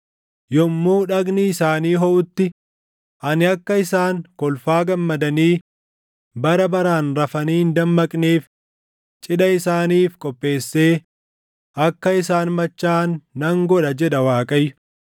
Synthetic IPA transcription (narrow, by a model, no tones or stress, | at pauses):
jɔmːuːᶑɐɡnɪːsaːniːɦɔʔʊt̪ːɪ | ʔɐnɪɐkːɐɪsaːŋkɔlfaːɡɐmːɐd̪ɐniː | bɐɾɐbɐɾaːnɾɐfɐniːnd̪ɐmːɐkʼneːf | t͡ʃʼɪɗɐɪsaːniːfkʼɔpʼːe̞ːsːe̞ː | ʔɐkːɐɪsaːnmɐt͡ʃːaːnːɐŋɡɔᶑɐd͡ʒɛᶑɐwaːkʼɐjʊ